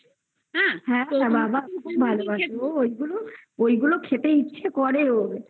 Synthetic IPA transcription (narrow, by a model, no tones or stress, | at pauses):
ɦɛ̃hɛ̃ababakʰubʱalobʱaʃoojɡuloojɡulokʰet̪eitːʃʰekɔɾeɾobe